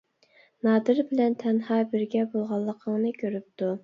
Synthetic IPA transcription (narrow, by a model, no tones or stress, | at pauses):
nɑːd̪ɨɾbɪlɛnt̪ʰɛnhɑːbɪɾɡʲɛbolˠʁɑlˠːəqʰəŋnɨkʲʰøɾyp̚t̪u